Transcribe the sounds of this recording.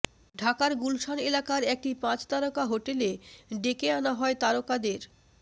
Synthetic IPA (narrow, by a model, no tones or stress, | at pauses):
ɖʱakaɾɡulʃanelakaɾɛk̚ʈipãt͡ɕt̪aɾokaɦoʈeleɖekeanaɦɔet̪aɾokad̪eɾ